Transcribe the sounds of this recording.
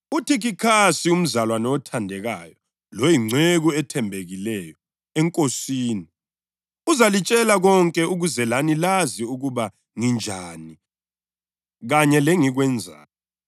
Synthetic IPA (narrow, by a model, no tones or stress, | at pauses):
utʰiɣikʰasium̩zalwanɛɔtʰandʱɛɣajɔ | lojiŋ͡ǀʱeɣuɛtʰɛmbʱeɣilɛjɔ | ɛŋkʼosiːni | uzalit͡ʃʼɛlaɣɔŋkʼɛuɣuzɛlanilaziuɣuβa | ŋind͡ʒʱaːni | ɣaɲɛlɛŋiɣwɛnd͡zʱa̰ːjɔ